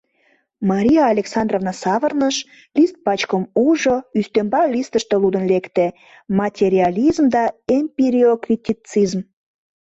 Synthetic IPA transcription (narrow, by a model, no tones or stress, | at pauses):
mɑɾʲijɑːlʲeksɑnd̪rovnɑsɑβərnəʃ | lʲist̪̚pɑt͡ɕkəmuʒoyst̪ømbɑlʲist̪əʃt̪elud̪ənlekt̪e | mɑtʲeɾʲiɑlizmd̪ɑempʲiɾiokrʲit̪ʲit͡sizm